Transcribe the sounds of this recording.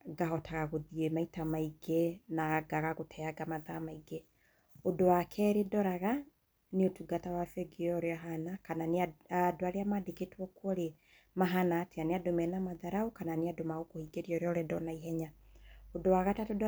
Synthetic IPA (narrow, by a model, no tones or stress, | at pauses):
ɡaɦɔtʰaɣaɣoðiemaitamaiɡenaɡaɣaɣotʰɛaɡamaðaamaiɡe | odowakʰɛːɾedɔɾaɣa | neotuɡatawafɛɡeɔɾeaɦanakananeaadoaɾeamadeketwɔkwɔɾe | maɦanaːteaneadomɛnamaðaɾaukananeadomaɣokohiːɡeɾiɔɾeɔɾɛdɔnaiɦɛɲaodowaɣatatod